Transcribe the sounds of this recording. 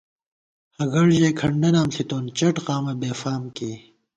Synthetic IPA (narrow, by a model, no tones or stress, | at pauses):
hɐɡɐɽd͡ʑeːkʰɐɳɖɐnaːmsit̪oːnt͡ɕɐʈqaːmɐbeːfaːmkeː